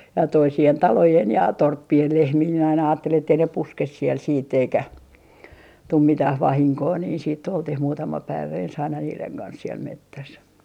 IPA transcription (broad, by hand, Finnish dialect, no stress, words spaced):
jɑ toisien tɑlojen jɑ torpːien lehmiː minæ ɑinɑ ɑːtːelin etːei ne puskes siel siːtː eikæ tum mitæh ʋɑhiŋkoː niː siːtː oltih muːtɑmɑ pæiʋæ ens ɑinɑ niːleŋ kɑns siel metːæs